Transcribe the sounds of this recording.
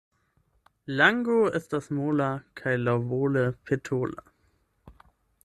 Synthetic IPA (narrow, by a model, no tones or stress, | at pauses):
laŋɡoɪst̚d̥asmoːlakʰaɪlavoːləpʰetʰoːlə̰